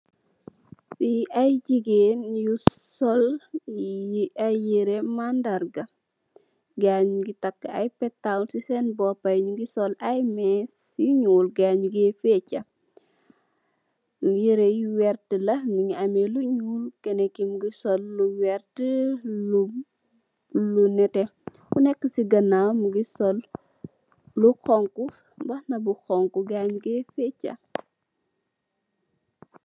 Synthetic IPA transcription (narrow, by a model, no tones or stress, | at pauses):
siɐjɟiɡeːnju | sɔl | iʔajiɾemandɐɾɡɐ | ɡaɲuɡitɐkːɐjpɛtːawnsisɛnbɔpːɐjɲuɡisɔlɐjmɛs | iɲuːlɡaɲuɡɛfɛt͡ʃːɐ | iɾejwɛrtəlɐŋiɲiɐmɛluɲuːlkɛnɛkːimuɡisɔlːuwɛɾtəlu | lunɛtɛxunɛkːəsiɡɐnːamuɡisɔl | uxɔŋku | bɐhnɐbuxɔŋkuɡaɲɡɛfɛcːɐ̰